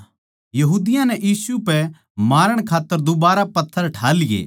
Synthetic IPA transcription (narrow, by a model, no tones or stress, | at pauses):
jɐɦuːd̪ɪjãnɛʔjiːsupɛ | maːɾəɽ̃kʰaːt̪ːəɾd̪ʊbaːɾapɐt̪ʰːəɾʈʰaːlɪjḛː